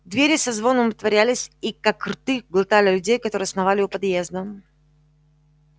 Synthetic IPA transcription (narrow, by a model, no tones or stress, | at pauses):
d̪vʲeɾʲɪsɐzvo̞nəmət̪vɐɾʲælʲɪsʲikakrt̪ɨɡlˠɨt̪alʲɪlʲʉdʲejkɐt̪o̞ɾɨːɐsnɐvalʲɪjupɐd̪jezd̪ə